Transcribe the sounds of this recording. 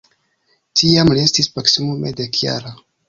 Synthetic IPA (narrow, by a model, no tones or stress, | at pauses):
tiamlie̞stispaksimumedekja̰ɾa